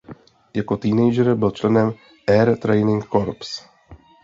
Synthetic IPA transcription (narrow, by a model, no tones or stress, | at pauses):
jako̞t̪iːnɛjd͡ʒɛɾbɪlt͡ʃlɛnɛm | ʔɛɾt̪ɾɛjnɪŋkkoɾps